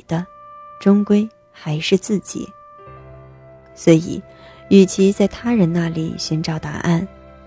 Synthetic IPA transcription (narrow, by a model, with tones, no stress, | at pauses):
d̪̥ə˦ʈ͡ʂʊ˥ŋkwe˥ɪ | xa˧˥ɪʂɻ̩˥˧t͡sɹ̩˥˩t͡ɕḭ˨˩˦ | swɔ˧˥ḭ˨˩˦ | y˥˨˩t͡ɕʰi˧˥t͡sa˥˩ɪt̪ʰa˥ɻə˧˥nna˥˩lḭ˨˩ɕi˧˥ŋʈ͡ʂɑ˨˧˥ʊt̪a̰˧˥ʔa̰˥˩n